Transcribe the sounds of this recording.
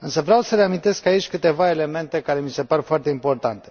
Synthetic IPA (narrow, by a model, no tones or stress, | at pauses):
ɨnsəvɾeawsəɾeamint̪e̞skait͡ʃʲkɨt̪e̞vae̞le̞me̞nt̪e̞kaɾe̞mise̞paɾefoart̪eimpo̞rt̪a̰nt̪e̞̥